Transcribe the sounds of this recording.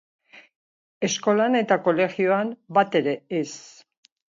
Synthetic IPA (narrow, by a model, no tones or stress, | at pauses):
e̞sko̞lane̞t̪ako̞le̞xioambat̪e̞ɾe̞ːs